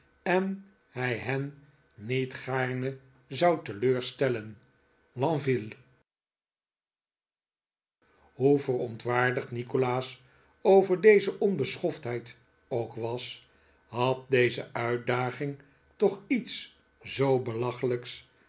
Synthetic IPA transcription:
ɛn | hɛjɦɛnː | itχaːɹnə | zɑwtəløːɹstɛlən | lɑ̃vil | ɦuvərɔntʋaːɹdəχtnikolaːs | owvəɹdejzəʔɔnbəsχɔftɦɛjt | owkʋɑs | ɦɑt̚dejzə̰ʔœɥ̚daːχɪŋ | tɔχits | zowbəlɑχələks

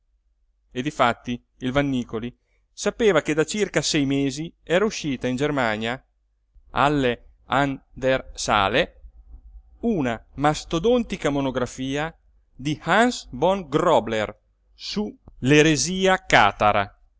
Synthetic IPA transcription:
ed̪ifat̪ːi | ilvanːiːkoli | sapeːvaked̪at͡ʃirkasɛjmeːziɛːɾauʃːiːt̪aind͡ʒermaɲja | a̰lːe | and̪ersa̰ːle | unamast̪od̪ont̪ikamonoɡɾafiːa | d̪ihansbɔŋɡrɔbler | suleɾeziːaka̰ːt̪aɾa̰

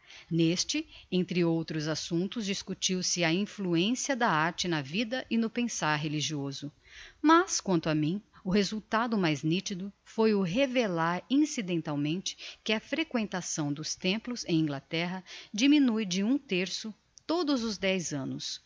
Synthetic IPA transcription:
nest͡ʃɪẽnt̪ɾɪowt̪ɾʊzasũt̪ʊzd͡ʒiskut͡ʃiwsɪɐĩfluẽsiɐd̪ɐaɾt͡ʃɪnɐvid̪ɐʔɪnʊpẽsaɾɦeliʒiozʊ | mɐskwɐ̃nt̪ʊɐmĩʊɦezuwt̪ad̪ʊmajznit͡ʃid̪ʊfojʊɦevelaɾĩsid̪ẽnt̪awmẽnt͡ʃɪ̥kɪɐfɾekwẽnt̪asɐ̃w̃d̪ʊst̪ẽmplʊzẽj̃ĩɡlat̪ɛɦɐd͡ʒiminujd͡ʒɪũt̪eɾsʊ | t̪od̪ʊzʊzd̪ɛjzɐ̃nʊs

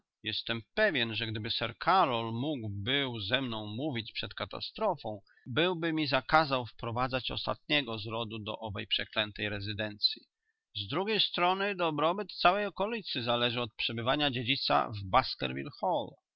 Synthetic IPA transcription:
jɛst̪ɛmpɛvʲjɛnʐɛɡd̪ɘbɘsɛɾkʰaɾɔlmuɡwbɘwzɛmnɔ̃w̃muvʲit͡ɕpʂɛt̪kat̪a̰st̪ɾɔfɔ̃w̃ | bɘwbɘmʲizakazawfpɾɔvad̪zat͡ɕɔ̰st̪a̰t̪̚ɲɛɡɔzɾɔd̪ud̪ɔ̰ʔɔvɛ̰jpʂɛklɛnt̪ɛjɾɛzɘd̪ɛnt̪sʲji | zd̪ɾuɡʲejst̪ɾɔnɘd̪ɔbɾɔbɘt̪t̪sawɛjɔkɔlʲit̪sɘzalɛʐɘɔt̪̚pʂɛbɘvaɲad͡ʑed͡ʑit̪sa̰vbaskɛ̰ɾvʲḭlxɔl

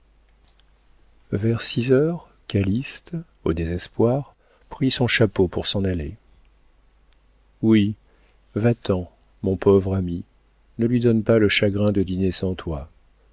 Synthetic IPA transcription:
vɛʁsizœʁ | kʲalist̪ | o̰d̪ezɛspwaʁ | pχisɔ̃ʃapopuʁsɑ̃nale | wi | vat̪ɑ̃ | mɔ̃pɔvʁami | nəlɥid̪ɔnpaləʃaɡʁɛ̃d̪əd̪inesɑ̃t̪wa

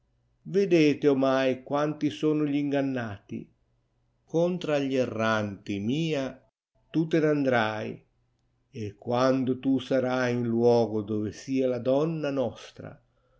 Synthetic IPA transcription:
ved̪eːt̪ɪomajkwant̪isoːnʊʎiŋɡanːaːt̪ḭ | kɔnt̪ɾaʎːɛrːant̪imiːa | t̪ut̪enand̪ɾaj | ekːwand̪ʊt̪usaɾajinlwɔːɡʊd̪oːvɪsiːalad̪ɔnːanɔst̪ɾa̰

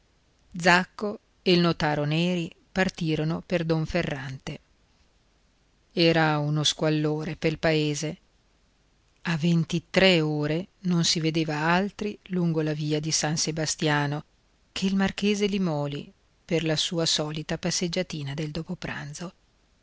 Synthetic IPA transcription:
d̪zakːo | eilnot̪aːɾonɛːɾi | part̪iːɾonoperd̪oɱferːant̪e | ɛːɾaunoskwalːoːɾepelpaeːze | avːent̪it̪ɾeoːɾenonsived̪eːvaalt̪ɾiluŋɡolaviːad̪isansebast̪jaːno | kʰeilmark̟eːzelimɔːli | perlasuːasɔːlit̪apasːed͡ʒːat̪iːnad̪eld̪oːpopɾa̰nt̪zo

